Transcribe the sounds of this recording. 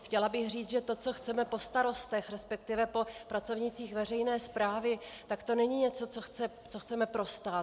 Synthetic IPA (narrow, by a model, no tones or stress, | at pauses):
xcɛlabɪxriːt͡s̪ʒɛt̪o̞t͡so̞xt͡sɛmɛpo̞st̪aɾo̞st̪ɛxɾɛspɛkt̪ɪvɛpo̞pɾat͡so̞vɲɪt͡siːxvɛr̝ɛjnɛːspɾaːvɪt̪akt̪o̞nɛɲiɲɛt͡so̞t͡soxt͡sɛ | t͡so̞xt͡sɛmɛpɾo̞st̪aːt̪